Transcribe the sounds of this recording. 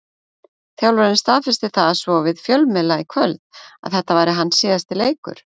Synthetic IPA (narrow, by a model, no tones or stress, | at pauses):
θjawlɔɾɪnst̪aːðfɪst̪ɪθaðasvɔvɪðfjœlmɛlaikʰvœlða̰ðθɛht̪ːavaːjɾɪɦanːsiːðast̪ɪleːjkʏ̰ɾ̥